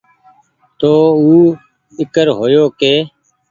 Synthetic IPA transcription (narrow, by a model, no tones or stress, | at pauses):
t̪oːuː | ɪkəɾɦoːjoːkeː